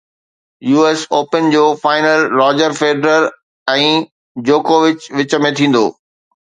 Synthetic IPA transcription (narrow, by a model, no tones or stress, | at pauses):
juːeːsoːpənd͡ʑoːfaːɪnəlɾɔːd͡ʑəɾfeːɖɾəɾ | ɛ̃ː | d͡ʑoːkoːʋɪt͡ɕʋɪt͡ɕə̆mẽt̪ʰĩːn̆d̪o̰ː